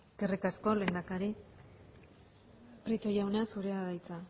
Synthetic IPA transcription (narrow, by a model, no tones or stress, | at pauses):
kerikasko̞lend̪akaɾi | pɾit̪o̞jawneasuɾeaðajt͡sa